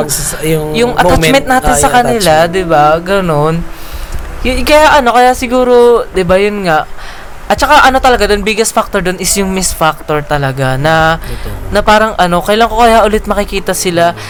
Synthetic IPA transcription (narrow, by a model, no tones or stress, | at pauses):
jʊŋjʊŋʔɐtt̪at͡ʃmɛnt̪̚naːt̪ɪnsɐkɐnɪlad̪ɪbaɡɐno̞n | kɐjaʔɐno̞kɐjaʔsɪɡuːɾo̞d̪ɪbajʊnŋaʔ | ʔɐt̪̚t͡ʃɐkaʔɐno̞t̪ɐlɐɡad̪onbiɡɐsfak̚t̪oɹd̪onɪsjʊŋmɪsfak̚t̪o̞ɹt̪ɐlɐɡanɐ | nɐpaːɾɐŋʔɐno̞kɐjlaŋko̞kɐjaʔʊlɛt̪̚mɐkɪkiːt̪ɐsɪla